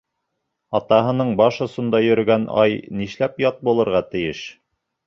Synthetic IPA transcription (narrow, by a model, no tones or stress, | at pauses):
ɑt̪ɑɦɤ̆nɤɴbɑʃŏsɤ̆nd̪ɑjɵ̆ɾɵ̆ɡænɑ̰jniʃlæpjɑt̪̚bulˠɤ̆ɾʁɑt̪ɘ̆jɘʃ